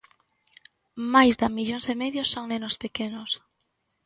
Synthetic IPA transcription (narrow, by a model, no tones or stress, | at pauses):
majzðamiʎoŋsemeðjosːoŋnenospekenos